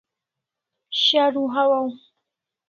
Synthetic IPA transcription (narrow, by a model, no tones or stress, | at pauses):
ʃaɾuɦawaw